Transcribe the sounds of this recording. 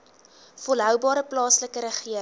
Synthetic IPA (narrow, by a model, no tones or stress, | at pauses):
folɦœwbɑːɾəplɑːsləkəɾəχiə